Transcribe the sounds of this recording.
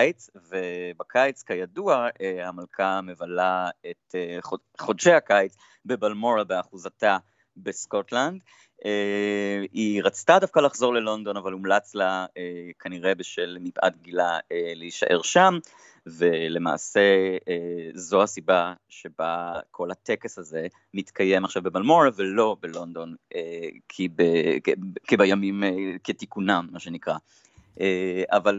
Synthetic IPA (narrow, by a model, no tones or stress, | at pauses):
t͡svebakʰajt͡skajaduaehamalkʰame̞valaeteχo | χodʃehakajt͡s | bebalmo̞ʁabeaχuzata | besko̞tland | e | iʁat͡stadafkalaχzo̞ʁle̞lo̞nd̪o̞navalumlat͡slaekʰaniʁe̞beʃelmipʔa̰tɡilaeleiʃa̰ʔe̞ʁʃam | vele̞ma̰ːse̞ | zo̞hasibaʃe̞bakʰo̞latekesaze̞ | mit̪kʰaje̞maχʃavbemalmoʁavelo̞belo̞nd̪o̞nekʰibe | kibajamimketikunamːaʃenikʁa | ʔeaval